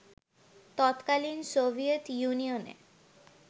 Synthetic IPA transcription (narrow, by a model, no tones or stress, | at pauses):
t̪ɔt̪kalinsobʱiet̪junijonḛ